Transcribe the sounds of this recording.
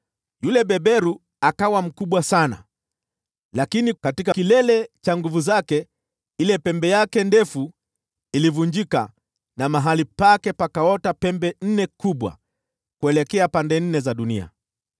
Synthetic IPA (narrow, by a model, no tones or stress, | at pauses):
julɛɓɛɓɛɾu | akawam̩kuɓwasana̰ | lakinikatikakilɛlɛt͡ʃaŋɡuvuzakɛ | ilɛpɛmbɛjakɛndɛfu | ilivuɲd͡ʒika̰ | namaɦalipakɛpakaɔtapɛmbɛn̩nɛkuɓwa̰ | kuɛlɛkɛapandɛn̩nɛzaɗunḭa̰